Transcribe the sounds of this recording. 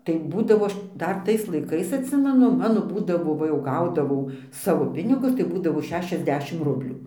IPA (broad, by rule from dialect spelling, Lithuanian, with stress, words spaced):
tɐɪ ˈbuːdɐʋoː ˈɐʃ ˈdɐr ˈtɐɪs lˠɐɪˈkɐɪs ɐtʲˈsʲɪmʲɛnʊ ˈmɑːnoː ˈbuːdɐʋoː ʋɐ ˈjɛʊ ˈɡɐʊdɐʋɐʊ ˈsɑːʋoː ˈpʲɪnʲɪɡʊs tɐɪ ˈbuːdɐʋoː ˈʃʲæːʃʲɛzʲˌdʲæːʃʲɪm ˈrʊbʲlʲuː